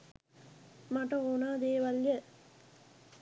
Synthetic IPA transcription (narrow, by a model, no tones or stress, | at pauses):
mɐʈɐonaːd̪eːʋɐljɐ